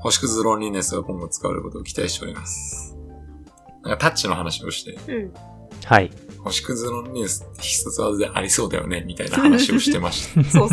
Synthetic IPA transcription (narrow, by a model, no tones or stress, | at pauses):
ho̞ɕi̥kɯ̟zɨɾõɲʲinesɨɡakõ̞nɡ̪o̞t͡sɨ̥kaβa̰eɾɯ̰ko̞t̪o̞ːkʲi̥t̪aiɕt̪e̞o̞̰ɾimasɨ̥ | nãŋkat̪att͡ɕino̞ɦanaɕio̞̰ɕi̥t̪e̞ | hai | ho̞ɕi̥kɯ̟zɨɾõ̞ɲʲɾʲinesɨ̥t̪ːe̞çi̥sot͡sɨβad̪od̪e̞ʔaɾʲiso̞ːd̪a̰jo̞̰ne̞mʲit̪aina̰hanaɕio̞ɕi̥t̪e̞maɕi̥t̪ḁ